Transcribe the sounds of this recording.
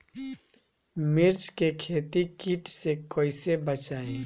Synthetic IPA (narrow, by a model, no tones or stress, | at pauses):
mɪɾt͡ʃkekʰeːt̪ikiʈsekoːisebət͡ʃaːẽ